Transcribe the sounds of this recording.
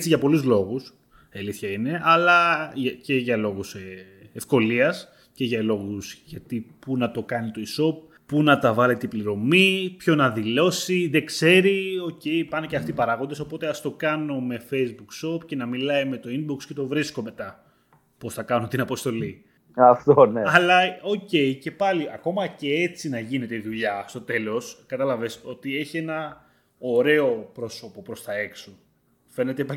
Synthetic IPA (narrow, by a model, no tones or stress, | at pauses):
t͡siʝɐpo̞luzlo̞ɣus | eliθçɐine̞ʔɐlɐce̞ʝɐlo̞ɣus | efko̞liɐs | ce̞ʝɐlo̞ɣusʝɐt̪ipunɐt̪o̞kɐnit̪o̞iso̞p̚ | punɐt̪ɐvɐle̞t̪ipliɾo̞mipço̞nɐðilo̞siðe̞kse̞ɾio̞ce̞ipɐneceɐft̪ipɐɾɐɣond̪eso̞po̞t̪e̞ɐst̪o̞kɐno̞me̞fe̞jzbukso̞pce̞nɐmilɐime̞t̪o̞inbuksce̞t̪o̞vɾisko̞me̞t̪ɐ | po̞sθɐkɐnot̪inɐpo̞st̪o̞li | ɐft̪oneɐlɐo̞ce̞ice̞pɐliɐko̞mɐce̞et͡sinɐʝine̞t̪eiðuʎɐst̪o̞t̪e̞lo̞skɐt̪ɐlɐve̞so̞t̪ie̞çie̞nɐ | o̞ɾe̞o̞pɾo̞so̞po̞pɾo̞st̪ɐe̞kso | fe̞ne̞t̪epɐ